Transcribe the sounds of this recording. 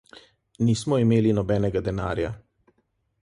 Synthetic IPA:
niːsmɔimeːlinɔbɛːnɛɡad̪ɛna̰ːɾja̰

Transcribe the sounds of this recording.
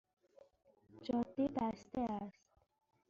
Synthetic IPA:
d͡ʒɒd̪ːibæst̪eæst̪

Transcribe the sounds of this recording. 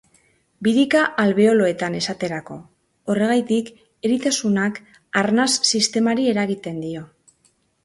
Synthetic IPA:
biðikaʔalβe̞o̞lo̞e̞t̪ane̞sat̪e̞ɾako̞ː | re̞ɣajt̪ik | e̞ɾit̪asunak | aɾnasːist̪e̞maɾie̞ɾaɣ̞it̪e̞nd̪io̞

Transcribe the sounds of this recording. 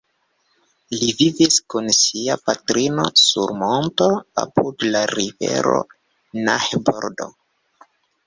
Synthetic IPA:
liviviskunsiapatɾino̞sṵɾmo̞nto̞a̰pudlaɾivḛɾo̞̰ | nahboɾdo̞̰

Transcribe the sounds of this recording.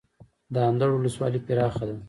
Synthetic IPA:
d̪əand̪aɽwuləswɑlipɪɾɑxad̪a

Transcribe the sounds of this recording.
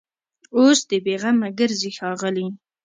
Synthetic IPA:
osd̪əbeɣamaɡəɾzixɑɣəli

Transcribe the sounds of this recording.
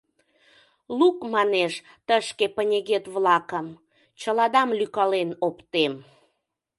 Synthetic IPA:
lukmɑneʃ | t̪əʃkepənʲeɣet̪βlɑkəm | t͡ɕəlɑd̪ɑmlykɑlenopt̪em

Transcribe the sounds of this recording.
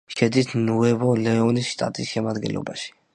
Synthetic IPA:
ʃɛd̪it̪ʰnuɛvɔlɛɔnisʃt̪ʼa̰t̪ʼisʃɛmad̪ɡɛ̰nlɔ̰ba̰ʃi̥

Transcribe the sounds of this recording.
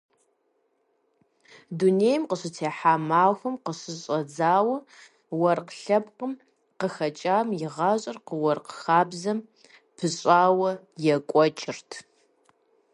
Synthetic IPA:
duneːjmqəɕɨt͡sʰeːħaːmaːxʷɐmqəɕɨɕʼɐd͡zaːwɐ | wɐrqɬɐbqəm | qəxɐt͡ʃʼaːmjɪʁɑːɕʼɐrqəwɐrqəxaːbzɐm | pʰɨɕʼaːwɐ | jɛkʷʼɔt͡ʃʼɪrtʰ

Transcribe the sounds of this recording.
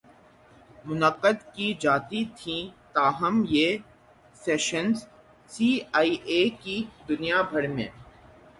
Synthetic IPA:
mʊnəqəd̪kid͡ʒaːt̪it̪ʰĩt̪aːɦəmjeː | sɛːʃənz | siːaːiʔeːkid̪ʊnijabʱɐɽmḛ̃ː

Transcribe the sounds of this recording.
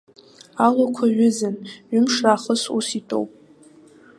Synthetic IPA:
alokʷʰaɥʊzanɥʏmʂraːχəsṵsitʼo̰wpʼ

